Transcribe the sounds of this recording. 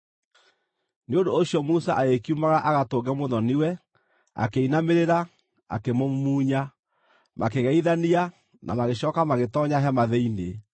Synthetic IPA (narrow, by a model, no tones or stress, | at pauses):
neondoːɕjɔmusa̰ʔaekiumaɣaʔaɣatoɣɡɛmoðɔniwɛ | a̰keinameɾeɾa | a̰kemomuːɲa | mʔakeɣɛiðania | na̰maɣeɕɔːkamaɣetɔɲaɦɛmaðɛine